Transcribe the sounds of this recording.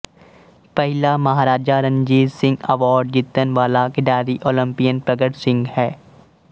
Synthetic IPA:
pɛɦɪlamɐɦaːɾaːd͡ʒaɾə̃ɲd͡ʒiːzsɪ̃ŋɡɐʋaːɾɖ̚d͡ʒɪt̪ːənʋaːlakɪɖaːɾiʔoːlə̃mpijənpɾɐɡəʈsɪ̃ŋɡhɛː

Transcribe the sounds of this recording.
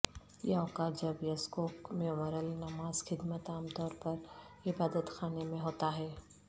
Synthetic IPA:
jɐɦõkad͡ʒɐbjɐskoːkmẽmɐɾəlnɐmaːzxɪd̪mət̪aːmt̪ɔːɾpɐɾɪbaːd̪ət̪xaːnemẽɦoːt̪aɦɛː

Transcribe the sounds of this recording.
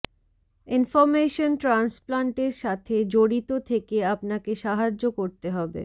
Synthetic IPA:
infoɾmeʃonʈɾansplaɳʈeɾʃat̪ʰed͡ʑoɽit̪ot̪ʰekeapnakeʃaɦad͡ʑːokoɾt̪eɦɔbḛ

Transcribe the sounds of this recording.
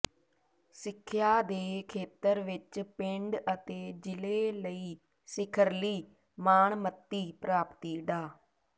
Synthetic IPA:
sɪkʰːjaːd̪eːkʰeːt̪əɾʋɪt͡ʃpɪɳɖət̪eːd͡ʒɪleːləiː | sɪkʰəɾliː | maːɳmət̪ːiːpɾaːpt̪iːɖaː

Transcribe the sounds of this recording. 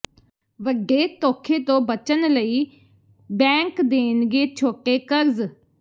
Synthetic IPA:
ʋəɖeːt̪oːkʰeːt̪õːbət͡ʃənləiː | bɛ̃ːŋkd̪eːnɡeːt͡ʃʰoːʈeːkəɾz

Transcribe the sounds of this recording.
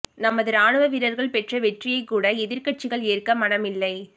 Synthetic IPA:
nɐmɐðɯɾaːɳɯʋɐʋɪɾɐɾɣɐɭpɛʈrɐʋɛʈrɪjɐɪkːuːɽɐɛðɪɾkɐʈ̚t͡ʃɪɣɐɭeːrkːɐmɐɽɐmɪlːɐɪ

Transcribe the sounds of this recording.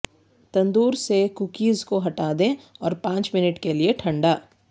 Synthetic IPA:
t̪ɐ̃nd̪uːɾsekukiːzkoɦɐʈaːd̪ẽɔːɾpãːt͡ʃmɪnəʈkelieʈʰɐ̃ɳɖaː

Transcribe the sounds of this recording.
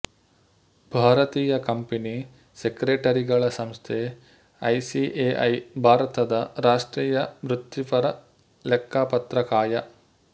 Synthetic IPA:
bʱaːɾɐt̪iːjɐkɐmpini | sekɾeːʈɐɾiɡɐɭɐsɐmst̪ʰeː | ɐjsiʔeːʔɐjbʱaːɾɐt̪ɐd̪ɐɾaːʂʈɾiːjɐmɾut̪ːipɐɾɐ | lɛkʰːaːpɐt̪ɾɐkaːjɐ

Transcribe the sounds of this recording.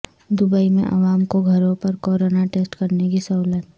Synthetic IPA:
d̪ʊbəimḛ̃ʔɐ̰ʋaːmkoɡʱɐɾõpɐɾkɔːɾoːnaʈeːsʈkɐɾnekisɐlət̪

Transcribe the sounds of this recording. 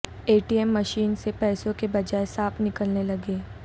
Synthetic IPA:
eːʈiɛmːɐʃiːnsepɛːsõkebɐd͡ʒaːesaːpnɪkəlnelɐɡeː

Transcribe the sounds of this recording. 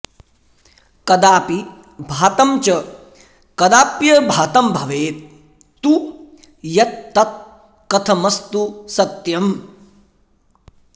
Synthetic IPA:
kɐd̪aːpi | bʱaːt̪ɐmt͡ʃɐ | kɐd̪aːpjɐbʱaːt̪ɐmbʱɐʋeːt̪̚ː | u | jɐt̪ːɐt̪̚ | kɐt̪ʰɐmɐst̪usɐt̪jɐm

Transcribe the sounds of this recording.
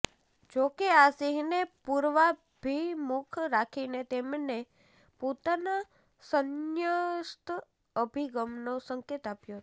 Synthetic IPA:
d͡ʒokeasiɦnepuɾʋa | bʱimukʰɾakʰinet̪emne | pot̪ana | sənjəst̪ | əbʱiɡəmnosəŋket̪apjot̪

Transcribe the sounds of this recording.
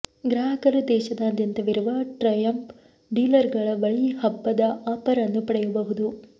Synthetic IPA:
ɡɾaːɦɐkɐɾɐd̪ɛːʃɐd̪aːd̪jɐnt̪ɐʋiɾuʋɐʈɾɐjɐmp | ɖiːlɐɾɡɐɭɐʋɐɭijɐhɐbːɐd̪ɐʔaːpɐɾɐnːupɐɽɛjɐbɐɦud̪u

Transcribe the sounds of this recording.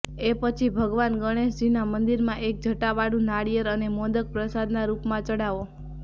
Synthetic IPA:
epət͡ʃʰibʱəɡʋanɡəɽ̃eʃd͡ʒinamənd̪iɾmãʔek̚d͡ʒʱəʈaʋaɽũnaɽijəɾənemod̪ək̚pɾəsad̪naɾupmãt͡ʃəɽaʋo

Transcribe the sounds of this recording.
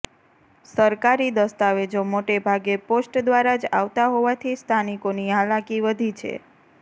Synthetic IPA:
səɾkaɾid̪əst̪aʋed͡ʒomoʈebʱaɡeposʈd̪ʋaɾad͡ʒa̰ʋt̪aɦoʋat̪ʰist̪ʰanikoniɦalakiʋəd̪ʱit͡ʃʰḛ

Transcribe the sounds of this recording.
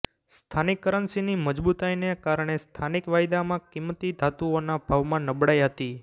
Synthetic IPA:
st̪ʰanɪkːəɾənsiniməd͡ʒbut̪ajnekaɾɳ̃est̪ʰanikʋajd̪amãkɪmːət̪id̪ʱat̪uonabʱaʋmãnəbɽajɦət̪i

